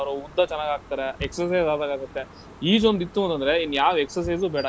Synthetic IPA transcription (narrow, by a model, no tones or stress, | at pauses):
ɐʋɾɐud̪ːat͡ʃɛnːaːɡaːɡ̚t̪aːɾeeksɐɾsɐjzaːd̪aːɡaːɡɐt̪ːe̞ | iːd͡ʒond̪it̪ːuɐnt̪ɐnd̪ɐɾe̞inːjaːʋeksɐɾs̬ɐjzubɛːɽa